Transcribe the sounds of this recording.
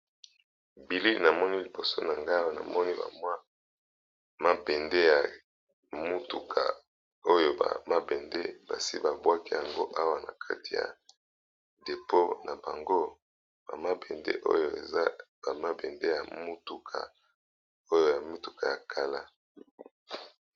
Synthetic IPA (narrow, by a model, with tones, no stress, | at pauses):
bi˨li˦na˨mɔ˦ni˦li˨bo˨so˦na˨ŋɡa˦wa˦˨na̰˨mɔ˦ni˦ba̰˨mwa˦ | ma˦bɛ˨nde˦ja˨ | mu˦tu˨kʰa̰˨ | o˦jo˨ba̰˨ma˦bɛ˨nde˦ba̰˨si˦ba˨bwa˦ki˦ja˨ŋɡo˦ʔa˦wa˨na̰˨kʰa̰˦ti˨ja̰˨ | de˨po˦na˨ba˨ŋɡo˦ | ba̰˨ma˦bɛ˨ndḛ˦ʔo̰˦jo˨ḛ˨za˦b̥a˨ma˦bɛ˨nde˦ja˨mu˦tu˨kʰa̰˨ | o˦jo˦ja˨mu˦tu˨ka˨ja˨kʰa˦la˦